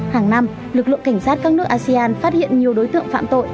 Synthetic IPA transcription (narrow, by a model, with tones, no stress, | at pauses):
haː˨˩ŋna˧m | lɨ˨˩k̚lɨ̰˧˨əka˧˩jŋ̟saː˦˥t̚kaː˦˥knɨ˦˥əkʔaː˧si˧aː˧nfaː˦˥t̚hḭ˧˨ənɲi˨˩əwɗo˨˦jt̪ɨ̰˧˨əŋfa̰ː˧˨mt̪o̰˧˨j